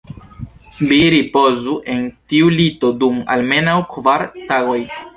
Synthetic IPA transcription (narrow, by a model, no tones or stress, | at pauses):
viɾipo̞zuʔe̞ntiulito̞duma̰lme̞nawkvaɾtaɡo̞j